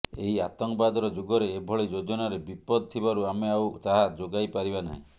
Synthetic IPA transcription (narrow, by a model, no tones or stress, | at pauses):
ḛɦiat̪ɔŋkbad̪ɔɾɔd͡ʒuɡɔɾeːbʱɔɭid͡ʒod͡ʒɔnaɾebipɔd̪ɔt̪ʰibaɾuameawt̪aɦad͡ʒoɡajpaɾibana̰ɦḭ̃